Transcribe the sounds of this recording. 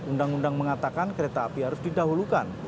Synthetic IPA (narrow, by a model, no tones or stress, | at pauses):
undaŋundaŋməŋat̪akankəɾet̪aːpiɦaɾʊsdidaɦulukan